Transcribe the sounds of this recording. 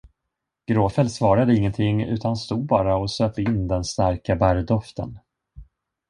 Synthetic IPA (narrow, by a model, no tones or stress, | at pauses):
ɡ̥ɾoːfɛlsvɑːɾad̪əɪŋːənt̪ʰɪŋːʉ̟̰ːt̪anst̪uːd̪̚bɑːɾaɔsøːpəɪnːd̪ɛnst̪aɾkabæɾd̪ɔft̪ə̰n